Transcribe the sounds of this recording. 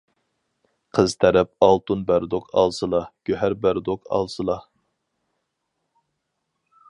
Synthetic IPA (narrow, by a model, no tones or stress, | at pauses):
qʰəzt̪ʰæɾɛp̚ɑlˠt̪unbæɾd̪oqʰɑ̰lˠsɨlˠɑɡ̥ʲøɦæɾbæɾd̪oqʰɑ̰lˠsɨlˠɑ